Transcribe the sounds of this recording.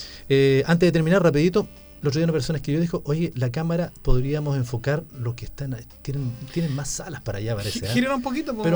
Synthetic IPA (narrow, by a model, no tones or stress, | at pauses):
eant̪eðet̪eɾminaɾrapiðit̪o̞ | elotɾoaunapeɾso̞naekeʝo̞ðixoʔoʝelakamaɾapoðɾiamose̞ɱfo̞kaɾlo̞hkest̪ant̪jenent̪jenenmasːalaspaɾa̰ʝapaɾeseaiɾeɾumpokit̪oppeɾo